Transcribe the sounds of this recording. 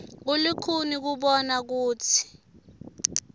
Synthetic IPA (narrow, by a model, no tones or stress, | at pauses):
k̬ulikʰunik̬uɓɔnak̬uːtʰi̥